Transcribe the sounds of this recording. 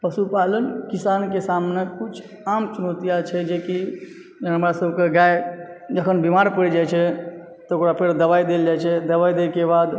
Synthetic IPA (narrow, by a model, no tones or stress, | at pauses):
pəsupalənkisankesamnekut͡ʃʰ | amt͡ʃunot̪ijat͡ʃʰɛd͡ʒeki | ɦəmɾasəbʱkeɡajd͡ʒəkʰənbimaɾpəɽid͡ʒajt͡ʃʰɛ | t̪ɔokɽapʰeɾd̪əbajd̪eld͡ʒajt͡ʃʰɛd̪əβajd̪ekebad̪